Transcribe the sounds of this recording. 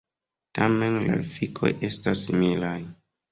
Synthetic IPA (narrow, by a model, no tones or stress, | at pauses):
tame̞nla̰fikʰo̞̰jʔe̞stasːimilaj